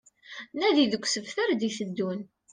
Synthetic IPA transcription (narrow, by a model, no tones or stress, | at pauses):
næðiðəkʷːsəvθæɾd̪iθəd̪ːun